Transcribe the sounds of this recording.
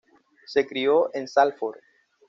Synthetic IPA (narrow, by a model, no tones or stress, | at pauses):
sekɾioʔensalfoɾ